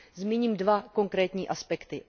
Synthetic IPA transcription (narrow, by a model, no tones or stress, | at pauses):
zmiɲiːmdvako̞ŋkɾɛːt̪ɲiːʔaspɛkt̪ɪ